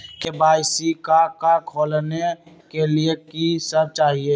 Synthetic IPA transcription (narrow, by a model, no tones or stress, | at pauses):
kebaːɪsikakakʰoːlne | keliekisəb̚t͡ʃaːɦieː